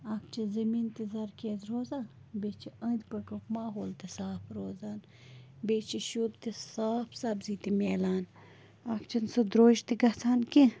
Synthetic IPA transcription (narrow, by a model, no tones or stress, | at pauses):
ɐkt͡ʃʰɐzɐmiːnt̪izɐɾkʲeːzɾoːzaːn | bet͡ʃʰiʔɐ̃d̪pɐkɐkmaːɦoːlt̪isaːpɾoːzaːn | bet͡ʃʰiʃud̪t̪isaːpʰsɐbzit̪imʲeːlaːn | akt͡ʃʰɐnsɨd̪ɾoːʒt̪iɡɐt͡sʰaːnki